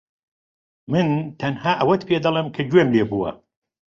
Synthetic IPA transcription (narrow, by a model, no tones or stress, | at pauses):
mɨnt̪ʰɐnhaːʔɐwɐt̪pʰeːd̪ɐlˠemkʰɐd͡ʒweːmleːbuːwɐ̰